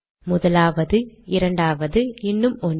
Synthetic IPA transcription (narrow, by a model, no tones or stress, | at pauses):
mʊðɐlaːʋɐðɯɪɾɐɳɖaːʋɐðɯɪnːɯmɔn